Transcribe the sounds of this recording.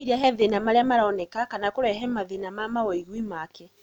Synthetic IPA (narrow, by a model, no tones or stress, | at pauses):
iɾiaɦɛðenamaɾeamaɾaɔnɛkakanakoɾɛɦɛmaðenamamawɛiɣwimakɛ